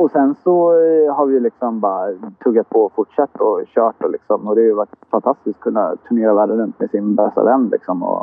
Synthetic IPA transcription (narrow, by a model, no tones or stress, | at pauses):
ɔsɛnsɔhaɾvɪjɵlɪksɔmbɑːɾat̪ʰɵɡːat̪̚pʰɔfʊʈʂɛt̪ːɔɕœːʈɔlɪksɔmɔd̪ɛajvaʈfant̪ʰast̪ɪsk̚kʰːɵnːa̰t̪ʰɵɳeːɾavæɖəɾɵnt̪mɛsɪnbɛst̪a̰vɛnːlʔɪ̰ksɔmɔ̰